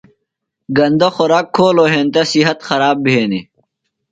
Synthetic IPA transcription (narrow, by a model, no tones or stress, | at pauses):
ɡɐnd̪oxoɾaːkʰːoːloːɦeːnt̪ɐsiɦɐt̪xɐɾaːbbʱeːni